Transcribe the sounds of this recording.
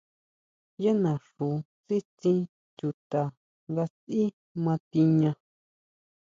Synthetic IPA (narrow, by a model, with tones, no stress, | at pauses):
je˦nã˨ʂu˨ | t͡si˦t͡sĩ˧ | t͡ʃu˧t̪a˨ | ŋɡa˧t͡si˦ | mã˧t̪i˧ɲã˧